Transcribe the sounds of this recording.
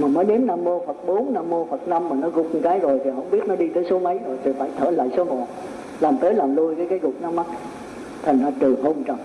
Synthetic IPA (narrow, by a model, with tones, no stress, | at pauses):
maː˨˩məː˨˦jɗe˨˦mnaː˧mːo˧fə˨˩t̚ɓo˨˦nnaː˧mːo˧fə˨˩t̚na˧mːaː˨˩nɔ˨˦ɣʊ˨˩k͡p̚kaː˨˦jzo˨˩jt̪ʰi˨˩ɦə̰˧˥wŋ͡mɓi˦˥ət̚nɔ˨˦ɗi˧t̪əː˨˦jso˨˦mə˨˦jzo˨˩jt̪ʰi˨˩faː˧˩jt̪ʰə̰ː˧˩la̰ː˧˨jso˨˦ŋɔ̰˧˨ | laː˨˩mt̪əː˨˦jlaː˨˩mlu˧əjkaː˨˦jkaː˨˦jɣʊ˨˩k͡p̚na˨˦ma˦˥t̚ | t̪ʰa˨˩ŋ̟zaː˧t͡ɕɨ˨˩ɦo˧nt͡ɕɔ˨˩m